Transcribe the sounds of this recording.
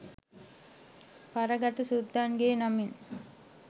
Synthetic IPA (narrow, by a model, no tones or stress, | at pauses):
pɐɾɐɡɐt̪ɐsud̪ʱːanɡeːnɐmin